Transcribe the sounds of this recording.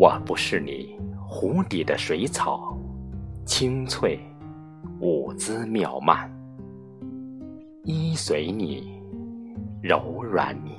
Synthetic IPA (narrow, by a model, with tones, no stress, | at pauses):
wɔ˨˩pu˧˥ʂɻ̩˥˩ni˨˩˦xu˧˥t̪i˨˩d̪ə˦ʂwe˧˥ɪt͡sʰɑ˨˩ʊ | t͡ɕʰi˥ŋt͡sʰwe˥˩ɪ | u˨˩t͡sɹ̩˥mjɑ˥˧ʊma̰˥˩n | i˥swe˧˥ɪni˨˩ | ɻo˧˥ʊɻwa̰˧˥˦nni˨˩